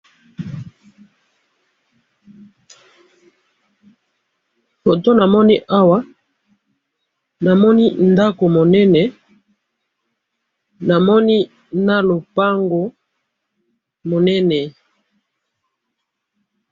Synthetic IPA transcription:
fo˨to˦na˨mɔ˦ni˦ʔa˦wa˦ | na˨mɔ˦ni˦nda˦ko˨mo˨nɛ˦nɛ˨ | na˨mɔ˦ni˦ | na˦lo˨pa˦ŋɡo˨ | mo˨nɛ˦nɛ˨

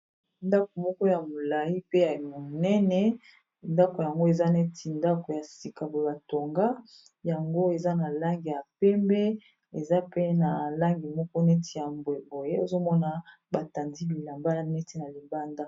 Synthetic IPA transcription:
nda˦ko˨mɔ˦kɔ˦ja˨mo˨la˨ji˦pe˦ja˨mo˨nɛ˦nɛ˨ | nda˦ko˨ja˨ŋɡo˦e˨za˦ne˦tʰi˨nda˦ko˨ja˨si˨ka˨bo˨e˦ba˨to˨ŋɡa˦ | ja˨ŋɡo˦e˨za˦na˨la˦ŋɡi˨ja˨pɛ˦mbɛ˦ | e˨za˦pe˦na˨la˦ŋɡi˨mɔ˦kɔ˦ne˦tʰi˨ja˨mbe˨bo˨je˦o˨zo˦mɔ˦na˦ | ba˨ta˨ndi˦bi˨la˨mba˦nɛ˦ti˦na˨li˨ba˦nda˦

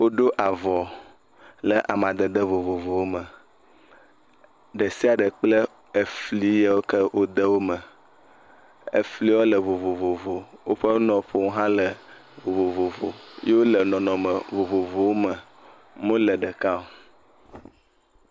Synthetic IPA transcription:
wo˦ɖo˦ʔa˨vɔ˨ | lə˨ʔa˨mã˨d̪ə˨d̪ə˦vo˨vo˨vo˨wo˦mə˨ | ɖə˨si˦a˨ɖə˨k͡plə˦ | e˨fli˦je˦wo˦kə˦wʔo˦d̪ə˦wo˦mə˨ | ḛ˨fli˦wo˦lə˨vo˨vo˨vo˨vo˨wo˦ɸə˦nɔ̃˨ɸo˨ŋ˦ɦã˦lə˨vo˨vo˨vo˨vo˨je˦wo˦lə˨nɔ̃˨nɔ̃˨mə˨vo˨vo˨vo˨wo˦mə˨ | mõ˦lə˨ɖə˨ka˦o˨

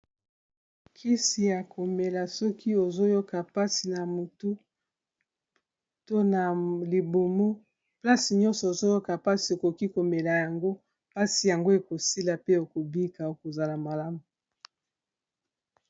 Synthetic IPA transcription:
kʰi˦si˨ja˨ko˨me˨la˨sɔ˦ki˦o˨zo˦jo˦ka˨pa˦si˨na˨mu˨tu˦ | to˦na˨li˨bo˨mo˦ | pla˦si˨ɲɔ̃˦nsɔ˨o˨zo˦jo˦ka˨pa˦si˨e˨ko˨ki˦ko˨me˨la˨ja˨ŋɡo˦ | pa˦si˨ja˨ŋɡo˦e˨ko˨si˦la˨pe˦o˨ko˨bi˦ka˨o˦ko˨za˨la˨ma˨la˦mu˨

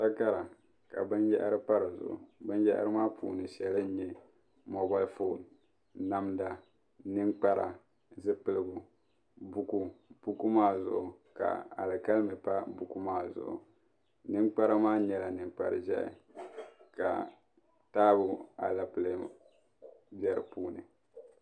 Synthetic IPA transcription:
ta˦ka˦ɾa˨ | ka˨bɨ˦njɛ̰˦ʔa˦ɾɨ˦pa˦ɾɨ˨zʊ̰˨ʔʊ̰˨bɨ˦njɛ˦ʔa̰˦ɾɨ˦maː˦pʰṵː˨nɨ˨ʃɛ˨lɨ˦ɲɛ˦ | mɔ˨ba˦lfo˦˨n | na˦mda˨ | nɨ˦ŋk͡pa˦ɾa̰˨ | zɨ˦pɨ˨lɨ˦˨ɡʊ˨ | bu˦ku˦b̥u˦ku˦maː˦zʊ̰˨ʔʊ˨ | ka̰˨a̰˨lɨ˨ka˦lmɨ˨pa˦bu˨ku˦maː˦zʊ̰˨ʔʊ̰˨ | nɨ˦ŋk͡pa˦ɾa˦maː˦ɲɛ˦la˨nɨ˨ŋk͡pa̰˨ɾɨ˨ʒɛ̰˦ʔɪ̰˨ | ka̰˨ | taː˦bʊ˨a̰˨la˨pɨ˨lɨ˦ | bjɛ˨ɾɨ˨puː˦nɨ̰˨

